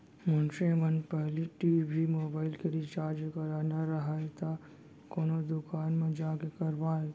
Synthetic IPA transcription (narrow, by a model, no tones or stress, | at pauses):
mʊnʃemənpɛɦliʈiːbʱimoːbaːɪlkeɾit͡ʃaːɾd͡ʒekɐɾaːnaɾəɦaet̪ʰa | koːnod̪ʊkaːnmẽd͡ʒaːkekəɾʋaːe